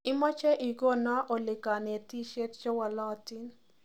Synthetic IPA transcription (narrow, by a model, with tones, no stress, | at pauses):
ɪ˦mɔ˦t͡ʃɛ˦ʔi˨ɡo˦nɔ˦ʔo˨lɪ˨ka˨nɛ˨ti˦ʃe˦tt͡ʃɔ˦wa˨lɔ˦˨ti˦n